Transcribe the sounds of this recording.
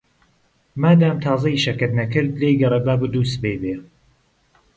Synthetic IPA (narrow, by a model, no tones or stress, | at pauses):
maːd̪aːmt̪ʰɑːzɐiʃɐkɐd̪nɐkɨɾd̪lejɡɐrˤɐbaːbɨd̪uːst̪bejbe